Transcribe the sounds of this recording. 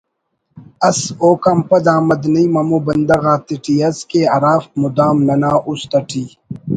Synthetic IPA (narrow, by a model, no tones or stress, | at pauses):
ɐsoːkɐmpɐd̪aːmɐd̪nɐjmɐmubɐnd̪ɐɣaːt̪iʈiɐskeːɐɾaːfmud̪aːmnɐnaːʔust̪ɐʈʰiː